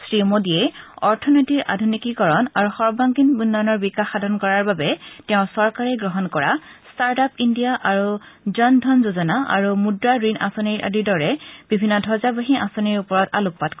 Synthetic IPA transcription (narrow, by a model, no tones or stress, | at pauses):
sɹimodiɛɔɹtʰɔnɔtiɹʔa̰dʱunikikɔɹɔnaɹuxɔɹbaŋkinbunːanɔɹbikaxadʱɔnkɔɹaɹbabɛtɛʊ̃sɔɹkaɹɛɡɹɔɦɔnkɔɹastaɹtapindijaʔaɹuzɔndʱɔnzozɔnaʔa̰ɹumudɹaɹinʔa̰sɔniɹʔa̰didɔɹɛb̥ibʱinːɔdʱɔzabaɦiʔa̰sɔniɹupɔɹɔta̰luppatk